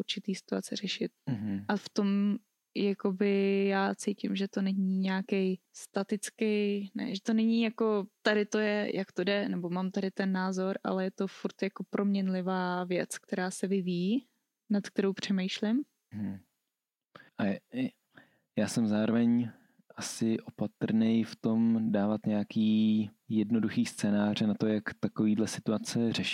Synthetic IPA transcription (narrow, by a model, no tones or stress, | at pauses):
uɾt͡ʃɪt̪iːsɪ̥t̪ua̰t͡sɛrɛʃɪt̪̩̚ɦ̩ʔaft̪o̞m | jakobɪjaːt͡sijcɪmʒɛt̪o̞nɛɲiːɲɛakɛjst̪at̪ɪt͡skɛjnɛ̰ʒɛt̪o̞nɛɲiːjako̞t̪adɪt̪o̞jɛjʔakt̪odɛnɛbo̞maːmt̪adɪt̪ɛnːaːzo̞ɾʔa̰lɛjɛt̪o̞fuɾt̪jako̞pɾʔo̞mɲɛnlɪvaːvjɛt͡sk̚t̪ɛɾaːsɛvɪviː | nat̪k̚t̪ɛɾo̞wpr̝̥ɛmɛjʃlɪm | ɦ̩ | ʔa | jaːsɛmzaːɾovɛɲ | ʔasɪʔopat̪ɾnɛjft̪o̞mdaːvat̪ɲɛakiː | jɛdno̞duxiːst͡sɛːnaːrɛnat̪o̞jakt̪akoviːdlɛsɪ̥t̪uat͡sɛrɛʃi̥